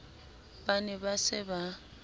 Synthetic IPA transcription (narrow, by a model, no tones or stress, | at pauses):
banɛbasɪba